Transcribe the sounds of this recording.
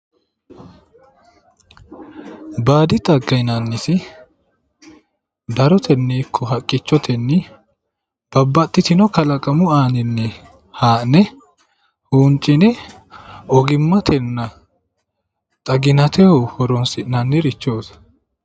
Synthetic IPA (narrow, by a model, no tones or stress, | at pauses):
baːd̪ɪt̪ʼɐɡːɐjnanːɪsɪ | d̪ɐɾɔt̪ʰɛnːiːkʰːɔɦɐkʼːɪt͡ʃːɔt̪ʰɛnːɪ | b̥ɐbːɐt̪ʼːɪt̪ɪnɔkɐlɐkʼɐmʊaːnɪnːɛ | haːnɛ | huːnt͡ʃʼːɪnɛ | ɔɡɪmːɐt̪ʰɛnːɐ | t̪ʼɐɡɪnɐt̪ɛhohɔɾɔnsɪnɐnːɪɾɪt͡ʃːoːs